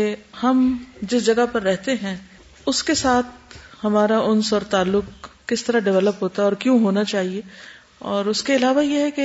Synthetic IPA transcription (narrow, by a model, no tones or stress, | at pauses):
ehɐmd͡ʒɪsd͡ʒɐɡapɐɾːɛɦt̪eɦɛ̃ | ʊskesaːt̪̚ʰhɐmaːɾaʊnsɔːɾt̪aːlːʊkː | ɪst̪ɐɾaɖɪʋɛləpɦoːt̪aɔːɾkjõːɦoːnat͡ʃaːɦie | ɔːɾʊskeɪlaːʋajeɦɛke